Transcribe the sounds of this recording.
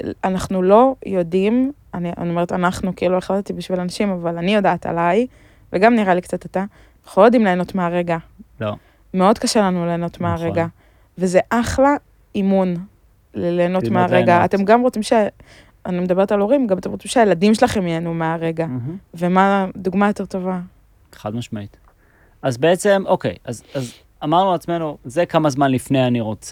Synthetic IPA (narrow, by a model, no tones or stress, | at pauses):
anaχnulo̞jo̞dim | ania̰niome̞et̪anaχnukeilueχlatet̪ibiʃvilanaʃimavalanijo̞daːt̪a̰laj | veɡamniʁalikt͡sat̪et̪a | aχulojod̪imle̞ːno̞tmeaʁe̞ɡa | me̞o̞d̪kaʃe̞lanuleːno̞t̪meaʁeɡa | vezeʔaχla | imun | leleːno̞tmeaʁeɡaːt̪e̞mɡamʁot͡simʃe | anime̞d̪abe̞ʁt̪alo̞ʁimɡamat̪e̞mʁot͡simʃeajeladimʃelaχe̞mjeanumeaʁe̞ɡavemaduɡmajo̞te̞ʁt̪o̞va | eχa̰d̪maʃmait̪ | azbeet͡se̞mo̞kḛjazaz | amaʁnuat͡smenuzekamazmanlifnejaniʁo̞t͡se